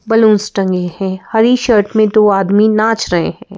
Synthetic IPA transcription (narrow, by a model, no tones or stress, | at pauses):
bɐlũːnsʈɐ̃ŋɡehɛ̃ːhɐɾiʃəɾʈmẽd̪oːaːd̪minaːt͡ʃɾɐɦḛɦɛ̃ː